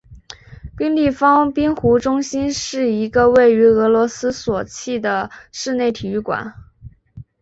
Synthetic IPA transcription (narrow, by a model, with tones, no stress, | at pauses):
pi˥ŋli˥˩fɑ˥ŋpi˥nxu˧˥ʈ͡ʂʊ˥ŋɕi˥nʂɻ̩˥˩i˧˥ɡə˧we˥˩ɪy˧˥ɤ˧˥lwɔ˧˥sɹ̩˥swɔ˨˩t͡ɕʰi˥˩d̪ə˩ʂɻ̩˥˧ne˥˩ɪt̪ʰi˨˩y˥˩kwa̰˨˩˦n